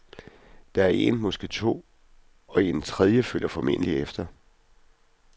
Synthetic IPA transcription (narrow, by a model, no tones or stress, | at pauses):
d̥ɑ̈æɐʔe̝̰nmɒsɡ̥et͡sʰo̝̰ː | ɒ̽e̝nt͡sʰʁɛð̞ˠjəføl̰ɐfɒ̽me̝n̰əliefd̥ɐ